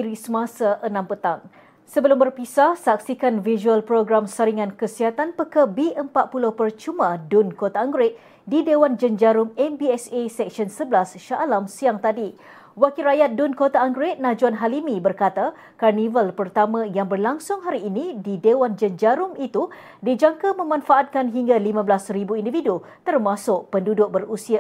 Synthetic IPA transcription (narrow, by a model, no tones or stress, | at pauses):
iɾisəmãsaʔənãmpət̪aŋ | səbəlʊmbərpisahsak̚sikanviʒuəlpɾoɡɾamsəɾiŋãnkəsiɦat̪anpəkəbiʔəmpatʔ̪̚pulʊhpərt͡ʃumãdunkot̪aːŋɡɾɪt̪̚ | didewand͡ʒənd͡ʒaɾʊmɛmbiɛsesɛk̚sənsəblasʃaʔːlamsiaŋt̪adi | wakirɾajat̪̚dunkot̪aːŋɡɾɪt̪̚nãd͡ʒuanɦalimibərkat̪a | karnivəlpərt̪amãjaŋbərlaŋsʊŋɦaɾiːnididewand͡ʒənd͡ʒaɾʊmit̪u | did͡ʒaŋkamə̃mãnfaʔat̪̚kanɦiŋɡalimãblasɾibuindividu | t̪ərmãsʊʔpəndudʊʔ̚bərusia